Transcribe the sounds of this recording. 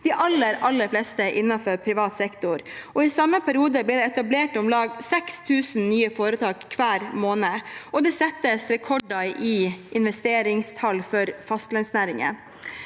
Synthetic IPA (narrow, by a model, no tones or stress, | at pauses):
d̪̥ɪʔɑlːəɾɑlːəɾflɛːst̪əʔɪnːɑfœɾpʰɾɪʋɑːt̪sɛkt̪ʊɾɔɪsɑməpʰæɾɪuːd̪əblɛːd̪ɛɛt̪ɑbleːʈɔmlɑːɡsɛkst̪ʰʉːsn̩nyːəfoːɾət̪ʰɑːkkʰːʋæːɾmoːnəɔd̪ɛsɛt̪ːəsɾɛkʰɔɖɑɪʔɪnʋɛst̪eːɾɪŋst̪ʰɑlfɔɾfɑst̪lɛnsnæːɾɪŋə̰